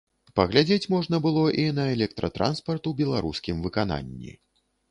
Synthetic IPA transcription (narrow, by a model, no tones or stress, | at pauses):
pɐɣlʲad͡zʲet͡sʲmɔʐn̪ɐbɨlˠɔʔinɐɛlʲɛk̚t̪ɾʔɐt̪ɾʔa̰nspɐrt̪uwbʲɛlˠaɾuskʲimvɨkana̰nʲːḭ